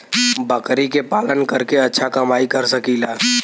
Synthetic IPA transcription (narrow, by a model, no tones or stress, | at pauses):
bəkɾikepaːlənkəɾkeɐtːʃʰakɐmaːikɐɾsɐkilaː